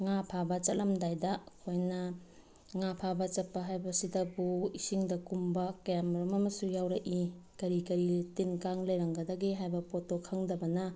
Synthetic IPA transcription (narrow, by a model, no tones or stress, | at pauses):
ŋapʰabɐt͡ʃɐtlɐmdajdɐɐkʰojnɐ | ŋapʰabɐt͡ʃɐpːɐɦajbɐsidɐbuisiŋdɐkumbɐkɐjamɐɾumɐmɐsujawɾɐʔikɐɾikɐɾitinkaŋlɐjɾɐŋɡɐdɐɡeɦajbɐpotokʰɐŋdɐbɐnɐ